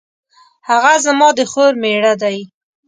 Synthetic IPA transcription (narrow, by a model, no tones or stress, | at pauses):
haɣazamɑd̪əxoɾmeɽad̪aj